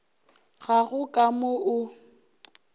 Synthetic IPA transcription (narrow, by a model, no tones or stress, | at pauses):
ɣaɣʊkʼamʊʔʊ